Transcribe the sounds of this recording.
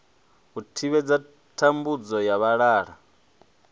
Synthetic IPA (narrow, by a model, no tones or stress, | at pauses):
ɣutʰiβɛd͡za | tʰambud͡zɔjaβaɺaːɺa